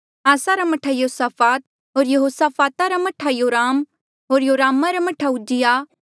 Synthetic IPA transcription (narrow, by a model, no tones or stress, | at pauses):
aːsaɾamɐʈʰajoosaːpʰaːt̪̚ | ɦoːɾjɐɦoːsaːfaːt̪aɾamɐʈʰajoːɾaːm | ɦoːɾjoːɾaːmaɾamɐʈʰaʊd͡ʒɪja